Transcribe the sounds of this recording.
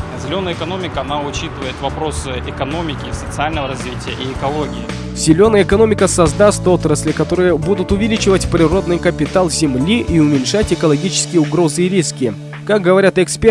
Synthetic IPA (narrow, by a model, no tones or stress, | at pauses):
zʲɪlʲo̞nəjəɪkɐno̞mʲɪkəɐnaʊt͡ɕit̪ɨvəjɪt̪vɐpɾo̞sɨɪkɐno̞mʲɪkʲɪsət̪sɨalʲnəvəɾɐzvʲitʲɪjəʔiːkɐlˠoɡʲɪɪ | z̥ʲɪlʲo̞nəjəɪkɐno̞mʲɪkəsɐzd̪ast̪o̞t̪ɾəsʲlʲɪkɐt̪o̞ɾɨjəbud̪ʊt̪ʊvʲɪlʲit͡ɕɪvətʲpɾʲɪro̞d̪nɨjkəpʲɪt̪alˠzʲɪmlʲiʔiʊmʲɪnʲʂatʲɪkəlˠɐɡʲit͡ɕɪ̥skʲɪjəʊɡɾo̞zɨɪɾʲiskʲɪ | kak̚ɡəvɐɾʲat̪ɛkspʲe